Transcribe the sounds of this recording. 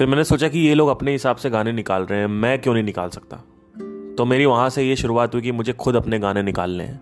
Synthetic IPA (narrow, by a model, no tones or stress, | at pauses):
fɪɾmɛːnesoːt͡ʃakijeloːɡɐpneɦɪsaːbseɡaːnenɪkaːlɾɐɦeɛ̃mɛ̃ːkjõːnɐɦĩnɪkaːlsɐk̚t̪a̰ː | t̪omeːɾiʋɐɦãsejeʃʊɾuaːt̪ɦuik̬imʊd͡ʒʱexʊd̪ɐpneɡaːnenɪka̰ːlːḛ̃ɦɛ̰̃ː